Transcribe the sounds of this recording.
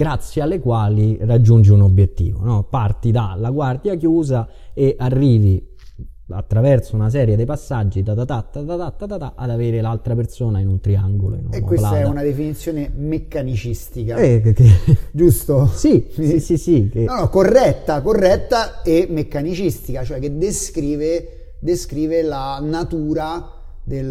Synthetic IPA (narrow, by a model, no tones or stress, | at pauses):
ɡ̥ɾat̪sːjealːekwaːlirad͡ʒːund͡ʒiunobjet̪ːḭːvo̰nɔpart̪id̪alaɡward̪jakjuːza | eʔarːiːvi | a̰t̪ːɾavɛrt̪sounas̬ɛːɾjed̪epasːad͡ʒːid̪at̪at̪at̪ːat̪at̪at̪ːat̪at̪aʔad̪aveːɾelalt̪ɾapersoːnainunt̪ɾiaŋɡolo̰ḭn̰eːwesltaaɛunad̪efinit̪sːjoːnemekːanit͡ʃist̪ikaɛked͡ʒust̪osisisisikenɔnɔkːorːɛt̪ːakorːɛt̪ːaemːekːanit͡ʃist̪ikat͡ʃoɛkːed̪eskɾiːve | d̪eskɾiːvelanat̪uːɾa | d̪el